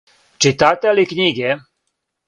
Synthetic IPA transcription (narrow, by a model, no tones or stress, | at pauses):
t͡ʃit̪aːt̪ʲɛlikɲiɡɛ